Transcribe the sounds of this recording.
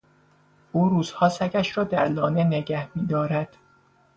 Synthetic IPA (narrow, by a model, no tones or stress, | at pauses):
ʔuːɾuːz̥hɒːsæcʰæʃɾɒːd̪æɾlɒːnene̞ɟæhmiːd̪ɒːɾæd̪̥